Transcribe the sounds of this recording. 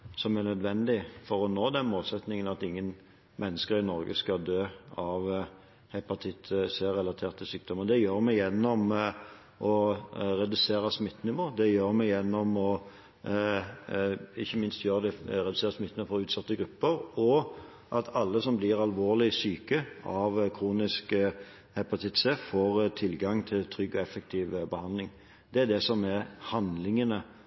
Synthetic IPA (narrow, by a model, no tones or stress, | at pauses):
sɔmæʁnœd̪ʋɛnd̪ɪfɔɾɔnoːd̪ɛnmoːlsɛt̪nɪŋənɑt̪ɪŋːən | mʔɛnːəskəɾɪnɔɾɡəskɑd̪øːɑʋ | hɛpɑt̪ʰɪt̪ʰːseʁɛlɑt̪ʰeːʁt̪ʰːɪlsyːk̚d̪ɔmːəʁd̪ɛjøːɾmɛjɛnːɔm | ʔɔɾɛd̪ʉseːɾəsmɪt̪ːnɪʋoːd̪ɛjøːɾmɛjɛnːɔmɔ | ɪçːəmɪnst̪jøːɾəd̪ɛɾɛd̪ʉseːɾəsmɪt̪ːnəfɔɾʉːt̪sɑt̪ːəɡɾʉpːəɾɔ | ʔɑt̪ʰɑlːəsɔmblɪʁɑlʋoːɾlɪsyːkəɑʋkʰɾuːnɪsk | hɛpɑt̪ʰɪt̪səfoːɾt̪ʰɪlɡɑŋt̪ʰɪlt̪ʰɾʏɡːɔɛfɛk̚t̪ʰiːʋbəhɑnd̪lɪŋ | d̪ɛæd̪ɛsɔmæɾhɑnd̪lɪŋənə